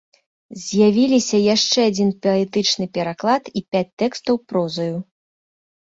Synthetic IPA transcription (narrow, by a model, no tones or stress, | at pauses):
zʲjavʲilʲisʲɐjaʂt͡ʂɛad͡zʲinpʲɐɛt̪ɨt͡ʂnɨpʲɛɾaklˠat̪ipʲat͡sʲt̪ɛkst̪ɐwpɾɔzɐju